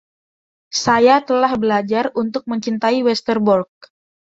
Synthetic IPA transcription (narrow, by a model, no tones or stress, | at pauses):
sajat̪əlahbəlad͡ʒarunt̪ʊk̚məɲt͡ʃint̪aiwɛst̪ərbɔrk̚